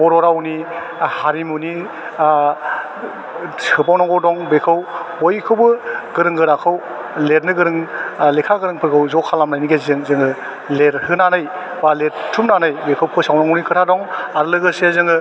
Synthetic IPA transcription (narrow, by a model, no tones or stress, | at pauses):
bɔɾɔɾawni | haɾimuni | ɯpawnaŋɡɔdɔŋbekʰɯwhojkʰɯwbɯɡɯɾɯŋɡɯɾakʰɯw | led̚nɯɡɯɾɯŋlekʰaɡɯɾɯŋpʰɯɾɡɯwzɔkʰːalamnajniɡezɯŋzɯŋɯ | leɾhɯnanɯj | balettʰumnanɯjbekʰɯwkʰɯsawnaŋɔnikʰɯtʰadɔŋaɾɯlɯɡɯsezɯŋɯ